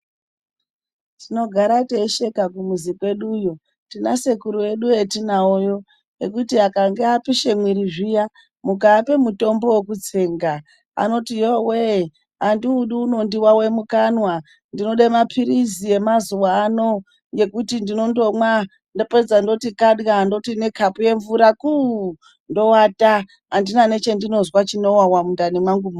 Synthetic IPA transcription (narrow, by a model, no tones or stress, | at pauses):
tino̞ɡʱaɾateʃe̞kakumuzikwe̞ɗujo̞ | tina̰se̞kuɾue̞ɗue̞tinaojo̞ | ekutiakaŋɡeapiʃe̞mwiɾiʐija | mukaːpe̞muto̞mbo̞wekut͡seːŋɡa | a̰no̞tijowe | andiuɗuuno̞ndiwawemukanwa | ndino̞ɗemapʰiɾizie̞mazuwaaːno̞ | je̞kutindino̞ndo̞mwa | ndoped͡zando̞tikaɗɣando̞tine̞kʰapuje̞ɱvuɾaku | ndo̞wata | andinane̞t͡ʃe̞ndino̞zwat͡ʃino̞wawamundanimwaŋɡumu